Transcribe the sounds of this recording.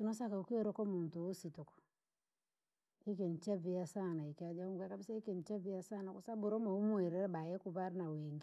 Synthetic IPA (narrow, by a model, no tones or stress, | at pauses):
sunosakaukioɾɔkomuntuusitokɔ̥ | ikent͡ʃaviasanaikad͡ʒauŋɡakabisaikint͡ʃaviasanakusabuɾomaumueɾɛɾbajɛkubaɾnaweŋɡi